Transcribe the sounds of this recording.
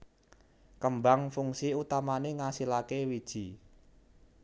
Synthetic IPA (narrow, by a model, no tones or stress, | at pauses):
kəmbaŋfuŋsiut̪amaneŋasilakewid̥ʒ̥i̤